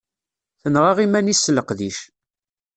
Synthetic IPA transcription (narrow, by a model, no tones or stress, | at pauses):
θənʁɑʁimænisːləqðiʃ